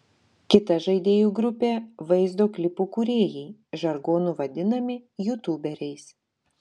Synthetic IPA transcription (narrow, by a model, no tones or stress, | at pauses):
kʲɪt̪ɐʒɐɪd̪ʲeːjuːɡɾʊpʲeːʋɐɪzd̪oːklʲɪpuːkʊɾʲeːjɛɪʒɐɾɡoːnuʋɐd̪ʲɪnɐmʲɪjʊt̪uːbʲɛɾʲɛɪs